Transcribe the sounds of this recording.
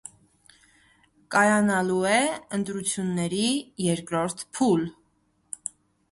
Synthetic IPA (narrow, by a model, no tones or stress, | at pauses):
kɑjɑnɑluɛənt̪ɾut͡sʰjunːɛɾijɛɾkɾɔɾt̪ʰpʰul